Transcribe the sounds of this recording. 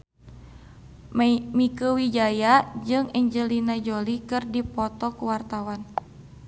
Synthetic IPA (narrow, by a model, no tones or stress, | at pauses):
mikəwid͡ʒajad͡ʒɨŋɛɲd͡ʒəlinad͡ʒolikɨrdipɔt̪ɔkuwart̪awan